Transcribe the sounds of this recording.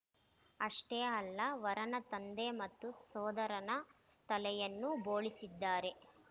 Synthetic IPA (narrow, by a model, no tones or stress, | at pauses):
ɐʂʈɛɐlːɐʋɐɾɐnɐt̪ɐnd̪emɐt̪ːusɔːd̪ɐɾɐnɐt̪ɐlɛjɐnːuboːɭisid̪ːaːɾe̞